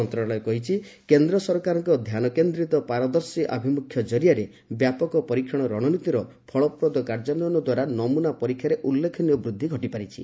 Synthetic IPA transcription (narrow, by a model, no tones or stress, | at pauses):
ɔnt̪ɾɔɭɔekɔɦit͡ʃʰikend̪ɾɔsɔɾkaɾɔŋkɔd̪ʱjanɔkend̪ɾit̪ɔpaɾɔd̪ɔɾsiʔa̰bʱimukʰjɔd͡ʒɔɾijaɾe | bjapɔkɔpɔɾikʰɔɽ̃ɔɾɔɽ̃ɔnit̪iɾɔ | pʰɔɭɔpɾɔd̪ɔkaɾd͡ʒanɔɔnɔd̪waɾanɔmunapɔɾikʰːjaɾeʔulːekʰɔniɔbɾud̪ʱːiɡʱɔʈipaɾit͡ʃʰḭ